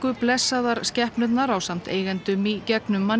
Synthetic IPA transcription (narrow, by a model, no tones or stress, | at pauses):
kʏplɛsːaðaɾ̥scɛhpnʏt̪naɾawsam̥t̪ḛːjɣɛnt̪ʏmicɛknʏmːa